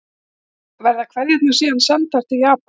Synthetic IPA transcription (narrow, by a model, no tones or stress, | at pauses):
vɛɾðakʰvɛɾðjɛt̪nʏsiːðansɛnt̪ar̥t̪ɪðjaːp